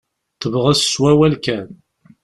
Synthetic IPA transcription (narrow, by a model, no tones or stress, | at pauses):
θəvʁæsswæwælkæn